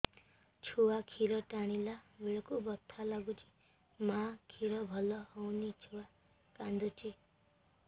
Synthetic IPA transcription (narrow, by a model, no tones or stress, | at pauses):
t͡sʰowakʰiɾʌʈaɽ̃ilabeɭkobʌt̪ʰːalaɡut͡sʰi̥ | mãkʰiɾʌbʱʌlʌhʌwnit͡sʰowa | kãnd̪ut͡sʰi